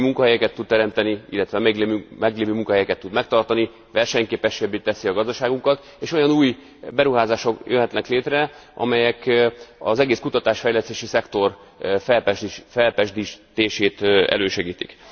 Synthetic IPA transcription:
muŋkɒɦɛjɛkɛt̪ːut̪̚t̪ɛɾɛmt̪ɛniḭlːɛt̪ʋɛmɛɡmɛɡleːvøːmuŋkɒɦɛjɛkɛt̪ːud̪mɛk̚t̪ɒrt̪ɒni | ʋɛrʃɛɲkeːpɛʃːebeːt̪ːɛsiɒɡɒzd̪ɒʃaːɡuŋkɒt̪ | eːʃo̞jɒnuːj | bɛɾuɦaːzaːʃo̞kjønɦɛt̪nɛkleːt̪rɛʔɒ̰mɛjɛkɒzɛɡeːskut̪ɒt̪aːʃfɛjlɛst̪eːʃisɛkt̪o̞r | fɛlpɛfɛlpɛʒd̪it̪eːʃeːt̪ɛ̰løːʃɛɡiːt̪ḭk

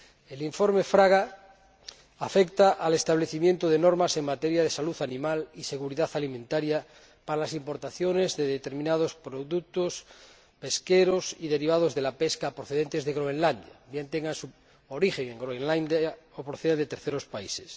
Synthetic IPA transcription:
eliɱfo̞ɾmefɾaɣa | fekt̪aʔale̞st̪aβ̞le̞θimje̞nt̪oðeno̞ɾmase̞ŋmat̪eɾjað̞e̞saluθanĩmalise̞ɣ̞uɾiðaθalimẽnt̪aɾja | paɾalasimpo̞ɾt̪aθjo̞ne̞zðeðet̪e̞ɾmĩnaðo̞spɾoðuk̚t̪os | pe̞skeɾo̞siðe̞ɾiβ̞að̞o̞zðe̞lape̞skaːpɾoθee̞nt̪e̞zðeɣɾoenland̪ja̰bje̞nt̪eŋɡansu | oɾixeŋeŋɡɾoenland̪aopɾoθeðend̪et̪e̞ɾθeɾo̞spaise̥s

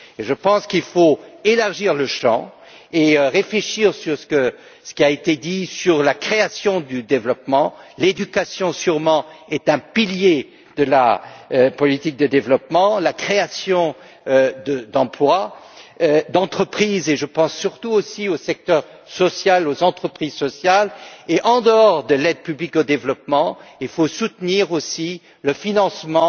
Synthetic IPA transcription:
eʒəpɑ̃skilfoelaʁʒiʁləʃɑ̰̃ | eøʁefleʃiʁsyʁsə̥kə | sə̥kʲiaet̪ed̪isyʁlakχeasjɔ̃d̪yd̪evlɔpmɑ̃led̪ykasjɔ̃syʁmɑ̃ɛt̪ɛ̃pilje | d̪əla̰øpɔlit̪ik̚d̪əd̪evlɔp̚mɑ̃lakχeasjɔ̃ | d̪əd̪ɑ̃plwa | d̪ɑ̃t̪χəpχizeʒəpɑ̃sːyʁt̪uosiosɛk̚t̪œʁ | sɔsjalozɑ̃t̪χəpχizsɔsjaleʔɑ̃d̪əɔʁd̪əlɛd̪pyblikod̪evlɔpmɑ̃ilfosut̪niʁosi | ləfinɑ̃smɑ̃

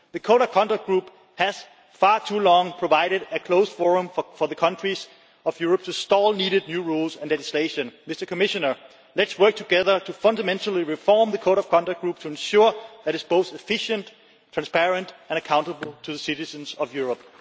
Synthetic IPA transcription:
ðɨkʰoʊɾʌv̥kʰɑ̃ndək̚ɡ̥ɹup | hæz̥ | fɑɹtʰulɔ̃ŋpʰɹ̥ovaɪɾɨɾɨkʰl̥oʊsfɔɹə̃mfə˞ðəkʰʌ̃ntɹ̥iz̥ | ʌvjuɹəp̚tʰustɔlˠniːɾɨd̚ⁿnjʉɹulsɨ̃nlɛd͡ʒisleɪʃə̃nmɪstə˞kʰəmɪʃənə˞ | lɨtswɜ˞k̚tʰəɡɛðə˞tʰufʌ̃ndəmɛ̃ntʰl̩ˠiɹifɔɹmðəkʰoʊɾʌv̥kʰɑ̃ndak̚ɡ̥ɹup̚tʰuɨ̃nʃʊɹðæɾɨtsb̥oʊθɪfɪʃə̃nt | tʰɹ̥æ̃nspʰɛɹə̃ntɛ̃nɨkʰãʊ̃ntəbl̩ˠtʰuðəsɪɾɨzə̃nzʌvjuɹəp̚

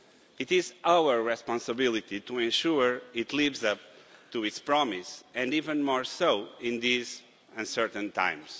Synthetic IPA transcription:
it̪izawəɹɹɛspɔ̃nsəbilˠit̪it̪uẽnʃuɹit̪ʰlivzʌp̚t̪uitspɹɔmisɨ̃nd̪ivə̃nmɔɹsowĩnðiz | ə̃nsɛɾt̪ɨ̃nt̪ã̰j̃ms

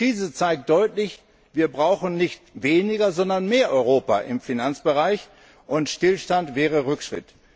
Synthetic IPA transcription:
iːzət͡saɪk̚t̚d̥ɔʏtlɪç | viːɐbʁaʊxn̩nɪçtveːnɪɡɐzɔndɐnmeːɐʔɔʏʁoːpa̰ʔɪ̰mfinant͡sb̥əʁaɪç | ʔʊntʃtɪlʃtantv̥ɛːʁ̞əʁʏkʃʁ̥ɪ̰t

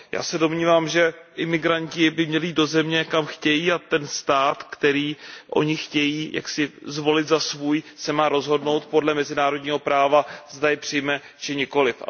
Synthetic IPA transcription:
ja̰ːsɛdo̞mɲiːvaːmʒɛʔɪmɪɡɾaɲcɪbɪmɲɛliːd̪do̞zɛmɲɛkamxcɛjiːat̪ɛnst̪aːt̪kt̪ɛɾiːʔo̞̰ɲɪxcɛjiːjʔa̰ksɪzvo̞lɪt̪zasvuːjsɛmaːɾo̞zɦo̞dno̞wt̪̚po̞dlɛmɛzɪnaːɾo̞dɲiːɦo̞pɾaːvazdajɪpr̝̥ɪjmɛ | t͡ʃɪɲɪko̞lɪfa̰

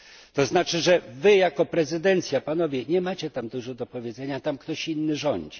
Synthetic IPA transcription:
t̪ɔznat͡ʂɘʐɛvɘjakɔpɾɛzɘd̪ɛnt̪sʲjapanɔvʲjɛɲɛmat͡ɕɛt̪amd̪uʐɔd̪ɔpɔvʲjɛdzɛɲat̪amkt̪ɔɕinːɘʐɔɲd͡ʑi

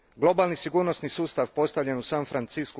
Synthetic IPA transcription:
ɡlˠo̞balˠnisiɡuːɾnosnisuːst̪aʋpo̞st̪avʎenusanfɾant̪siːsku

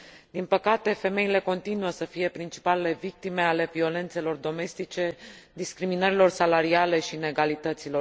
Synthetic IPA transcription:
d̪̥inpəkat̪e̞fe̞me̞ile̞ko̞nt̪inuəsəfije̞pɾint͡ʃi̥palele̞vik̚t̪ime̞ale̞vio̞le̞nt̪se̞lo̞rd̪o̞me̞st̪it͡ʃe̞d̪iskɾiminəɾilo̞rsalaɾiale̞ʃine̞ɡalit̪ət̪silo̞

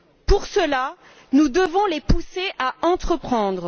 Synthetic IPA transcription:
puʁsəla | nud̪əvɔ̃lepuseʔaɑ̃t̪χəpχɑ̃d̪ʁ

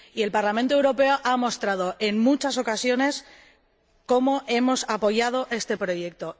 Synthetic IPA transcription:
ie̞lpaɾlament̪oe̞wɾo̞pe̞oʔamo̞st̪ɾað̞o̞ʔe̞nmut͡ʃaso̞kasjo̞ne̞s | ko̞mo̞ʔe̞mo̞sapo̞ʝað̞o̞ʔe̞st̪e̞pɾo̞je̞k̚t̪o̞

